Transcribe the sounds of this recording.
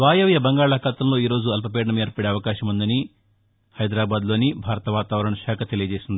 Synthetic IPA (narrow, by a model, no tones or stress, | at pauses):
ʋaːjɐʋjɐbɐŋɡaːɭaːkɐt̪ɐmlo̞ːiːɾo̞ːd͡ʒuɐlpɐpeːɖɐɳɐmeːɾpɐɽeɐʋɐkaːʃɐmund̪ɐni | hɐjd̪ɾaːbaːd̪lo̞ːnibʱaːɾɐt̪ɐʋaːt̪aːʋɐɾɐɳɐʃaːkʰɐt̪e̞lijɐd͡ʒeːsind̪ii